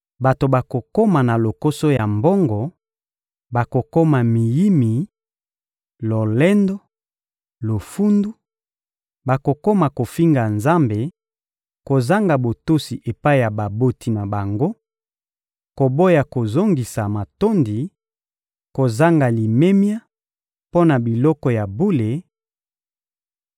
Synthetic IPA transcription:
ba˨to˨ba˨ko˨ko˦ma˨na˨lo˨ko˦so˦ja˨mbo˦ŋɡɔ˨ | ba˨ko˨ko˦ma˨mi˨ji˦mi˨ | lo˨lɛ˦ndo˦ | lo˨fu˦ndu˦ | ba˨ko˨ko˦ma˨ko˨fi˦ŋɡa˨nza˦mbe˨ | ko˨za˦ŋɡa˨bo˨to˦si˨ʔe˨pa˦i˦ja˨ba˨bo˦ti˨na˨ba˨ŋɡo˦ | ko˨bo˦ja˨ko˨zo˦ŋɡi˨sa˨ma˨to˦ndi˨ | ko˨za˦ŋɡa˨li˨me˦mja˦ | po˦na˨bi˨lɔ˦kɔ˨ja˨bu˦le˨

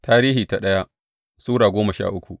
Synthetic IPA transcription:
taː˦ɾiː˦ɦiː˨ta˨ɗɐ˦ja˦ʔ | suː˦ɽaː˨ɡʷoː˦mɐ˨ʃa̰ː˦ʔʊ˦kʷu˨ʔ

